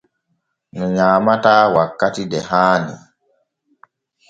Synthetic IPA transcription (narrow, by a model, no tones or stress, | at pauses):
nuɲaːmataːwakːatidɛhaːnḭ